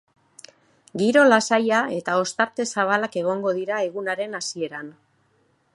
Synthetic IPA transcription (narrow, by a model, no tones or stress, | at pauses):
ɡiɾo̞lasajae̞t̪ao̞st̪aɾt̪e̞saβ̞alake̞ɣ̞o̞ŋɡo̞ðiɾae̞ɣ̞unaɾe̞nasie̞ɾan